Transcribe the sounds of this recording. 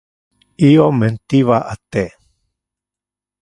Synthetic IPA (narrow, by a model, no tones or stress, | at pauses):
iomẽnt̪iβaʔat̪e